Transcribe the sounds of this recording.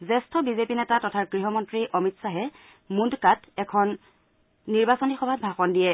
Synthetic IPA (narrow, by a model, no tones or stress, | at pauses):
zɛstʰɔbizepinɛtatɔtʰaɹɡɹiɦɔmɔntɹiʔɔmitsaɦɛ | mundkatɛkʰɔnː | iɹbasonixɔbʱab̚bʱaxɔndijɛ